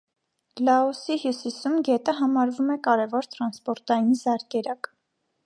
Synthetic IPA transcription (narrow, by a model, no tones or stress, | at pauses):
lɑɔsiɦjusisumɡɛt̪əɦɑmɑɾvumɛkɑɾɛvɔɾt̪ɾɑnspɔɾt̪ɑjinzɑɾkɛɾɑk